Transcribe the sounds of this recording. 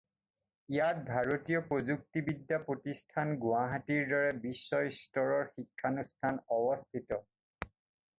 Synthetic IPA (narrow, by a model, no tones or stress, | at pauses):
ijat̚bʱaɹotijɔpɹozuk̚tibidːapɹotistʰanɡʊaɦatiɹdɔɹɛbisːɔjstɔɹɔɹxikʰːanustʰanɔbɔstʰitɔ